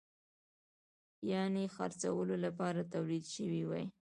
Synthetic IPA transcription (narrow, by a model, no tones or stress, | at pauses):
jɑnexa̰ɾt͡sawəlolapɑɾat̪awlid̪ʃəwiwa̰j